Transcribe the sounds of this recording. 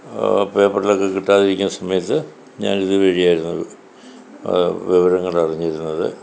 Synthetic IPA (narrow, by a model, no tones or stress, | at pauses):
peːpːɐʈːilo̞kːe̞kiʈːaːðiɾikʲːunːɐsɐmɐjɐt̪ːɨ | ɲaːniðɨʋeɻijaːjiɾunːṵ | ʋiʋɐɾɐŋːɐɭɐriɲːɾunːɐðɨ̰